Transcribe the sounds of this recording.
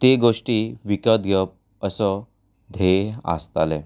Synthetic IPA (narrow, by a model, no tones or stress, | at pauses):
t̪eɡoʂʈiːʋikəd̪̚ɡʱəp̚ | əsə | d̪ʱea̰st̪ale